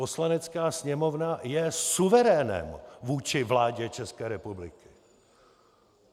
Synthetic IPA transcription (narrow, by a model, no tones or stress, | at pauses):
po̞slanɛt͡skaːsɲɛmo̞vnajɛsuvɛɾɛːnɛ̰mvuːt͡ʃɪvlaːɟɛt͡ʃɛskɛːɾɛpublɪ̰kɪ̥